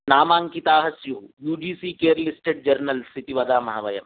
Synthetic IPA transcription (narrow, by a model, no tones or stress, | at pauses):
naːmaːŋkit̪aːɦɐsjuːjuːd͡ʒiːsiːkeːɾlisʈeːʈ̚d͡ʒɐɾnɐlsit̪iʋɐd̪aːmɐɦaʋɐjɐm